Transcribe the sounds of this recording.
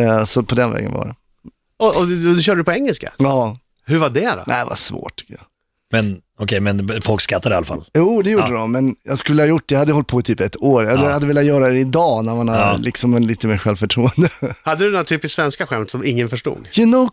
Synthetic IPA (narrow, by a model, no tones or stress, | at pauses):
ɛsɔpʰɔd̪ɛnvɛ̰ːɡə̰va̰ɖɛ̰ | ɔɔɔd̪ɵʃ̬ɕœːɖəəpɔɛŋːɛlska̰jɑː | hɵɾvaɖɛd̪ɔ̰nʔæ̰ɪva̰svo̰ːʈtʰʏ̥kːəja | mɛn | ɔkʰɛjmɛnfɔlkskat̪ːad̪ɛalafa̰ljuːd̪ɛjuːɖəd̪ɔmːɛnjɑɡskɵlːəhajʊʈ̚ːdɛjɑhad̪əjəhɔlt̪̚pʰɔt̪ʰyːpɛt̪ːoːɾjad̪had̪ːəvɪːlːat̪jœːɾad̪ɛɪd̪ɑːnæɾmanhalɪksɔmliːt̪əmeːɾɧɛlvfœʈʰɾuːənd̪əhad̪ːəd̪nɔɾat̪ʰyːpɪsksvɛnskaɧɛmt̪sɔmɪŋːənfœʂʈṵːɡjʊnoʊ